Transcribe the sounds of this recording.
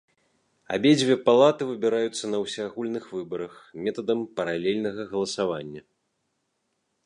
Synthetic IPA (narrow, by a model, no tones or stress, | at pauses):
a̰bʲed͡zʲvʲɛpalˠat̪ɨvɨbʲiɾajut̪sːɐnɐwsʲaːɣulʲnɨxvɨbɐɾɐxmʲɛt̪ɐd̪ɐmpɐɾalʲɛlʲnɐɣɐɣɐlˠɐsavanʲːɐ